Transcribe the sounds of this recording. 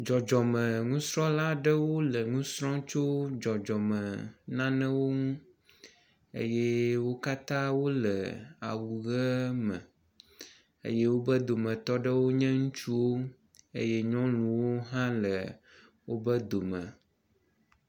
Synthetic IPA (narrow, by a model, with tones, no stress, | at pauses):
d͡ʒɔ˨d͡ʒɔ˨mɛ̃˨ŋũ˦sɾɔ̃˦la˦ɖə˦wo˦lə˨ŋũ˦sɾɔ̃˦t͡ʃo˦d͡ʒɔ˨d͡ʒɔ˨mɛ̃˨nã˦nɛ̃˦wo˦ŋũ˦ | ḛ˦jɛ˦wo˦ka˦t̪ã˦wo˦lə̰˨a̰˨wu˨ɣɛ˦mɛ̃˨ | ḛ˦je˦wo˦bə˦d̪o˨mə̃˨t̪ɔ˦ɖə˦wo˦ɲɛ̃˦ŋũ˦t͡ʃu˦wo˦ | ḛ˦jɛ˦ɲɔ̃˦lũ˨wo˦ɦã˦lə˨ | wo˦bə˦d̪o˨mɛ̃˨